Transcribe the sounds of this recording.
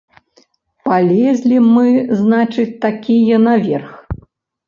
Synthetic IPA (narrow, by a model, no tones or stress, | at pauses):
palʲɛzʲlʲimɨznat͡ʂɨt͡sʲt̪akʲijɐnavʲɛrx